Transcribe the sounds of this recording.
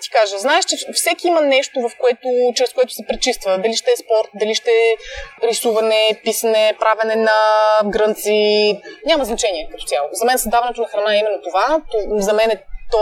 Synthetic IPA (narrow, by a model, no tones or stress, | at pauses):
t̪i̥kaʒəznaɛʃt͡ʃɛfsɛk̟iimɐnɛʃt̪ovɐfkoɛt̪ot͡ʃɛɾɛskoɛt̪ʊ̥sɛpɾɛt͡ʃist̪vəd̪ɐliʃt̪ɛːspɔɾt̪̚d̪ɐliʃt̪ɛpɾisuvɐnɛpisɐnɛpɾʔavɛnɛnɐɡɾɤnt̪siɲʲamɐznɐt͡ʃɛniɛkət̪o̥t̪ʲjalˠozɐmɛnsɐzd̪avɐnɛt̪onɐxɾɐnaɛimɛnːot̪ovat̪ozɐmɛnɛt̪ɔ